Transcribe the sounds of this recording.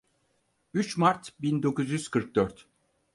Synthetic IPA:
yt͡ʃmaɾt̪bind̪o̞kuzjyz̥kʰɯɾk̚d̪̥œɾt̪

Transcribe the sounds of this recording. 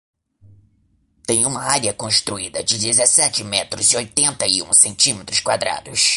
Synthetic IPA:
t̪ẽj̃ũmɐaɾiɐkõst̪ɾuid̪ɐd͡ʒɪd͡ʒɪzesɛt͡ʃɪmɛt̪ɾʊzɪojt̪ẽnt̪ɐɪṵ̃sẽnt͡ʃĩmet̪ɾʊskwad̪ɾa̰d̪ʊs

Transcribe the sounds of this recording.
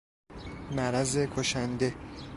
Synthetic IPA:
mæɾæzekʰoʃænd̪e̞

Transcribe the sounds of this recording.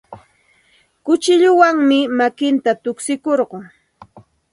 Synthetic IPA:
kʊt͡ʃɪʎʊwaŋmɪmakɪnt̪at̪ʊksɪkoɾɢʊ

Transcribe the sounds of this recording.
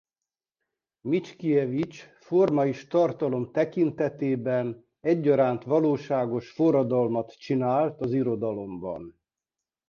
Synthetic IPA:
mit͡ʃkijɛvit͡ʃ | formɒiʃt̪ɒrt̪ɒlo̞mt̪ɛkint̪ɛt̪eːbɛn | ɛɟːɒɾaːnt̪ʋɒloːʃaːɡo̞ʃforɒd̪ɒlmɒt̪t͡ʃinaːlt̪ɒziɾo̞d̪ɒlo̞mbɒ̰n

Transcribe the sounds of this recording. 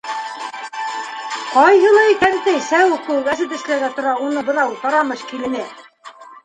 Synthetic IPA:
qɑjɦɤ̆lˠɑkænt̪ɘsæwkuwæʃɘ̆t̪ɵ̆ʃlæɾɡæt̪ŏɾɑunɤbɤ̆nɑwt̪ɑɾɑmɤʃkilɘ̆nɘ

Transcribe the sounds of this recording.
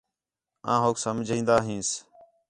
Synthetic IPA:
ã̰ːɦoːksəmd͡ʒʱĩːnd̪aːɦĩːs

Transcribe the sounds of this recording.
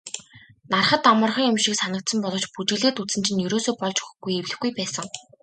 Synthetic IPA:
narχə̆t̪amə̆rχə̆ŋjʊmʃiksanə̆k̚t̪sə̆mpɔɮɞ̆t͡ɕput͡ɕɪ̆ɮeːt̪ut͡sɘ̆nt͡ɕʰɪ̆njɵɾoːsoːpɔɮt͡ɕɵxxɡujewɮɘ̆xɡujpæːsə̆ŋ

